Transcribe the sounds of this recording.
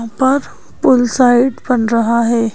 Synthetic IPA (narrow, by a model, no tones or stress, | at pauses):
pəɾ | pulsaiʈpəɳɾəɦaɦe